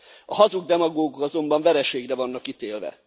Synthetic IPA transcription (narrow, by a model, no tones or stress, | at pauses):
ɒɦɒzuɡ̚d̪ɛmɒɡoːɡokɒzo̞mbɒɱvɛɾɛʃeːɡrɛvɒnːɒkit̪eːlvɛ̰